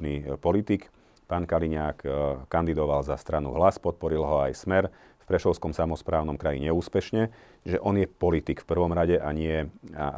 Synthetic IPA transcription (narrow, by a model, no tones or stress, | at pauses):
niːpɔlit̪ik | paːnkaliɲaːkkːand̪id̪ɔʋalzast̪ɾanṵɦlaspɔt̪̚pɔɾilɦɔajsmɛɾ | fpɾɛʃɔʊskɔmsamɔspɾaːʊnɔmkɾajḭɲɛuːspɛʃɲɛ | ʒɛʔɔnjɛpɔlit̪ikfpr̩ʋɔmɾaɟɛʔaɲɪɛa̰